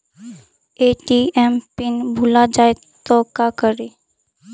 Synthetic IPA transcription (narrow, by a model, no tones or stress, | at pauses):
eːʈiɛmpɪnbʱulad͡ʒaːe | t̪ɔkakəɾe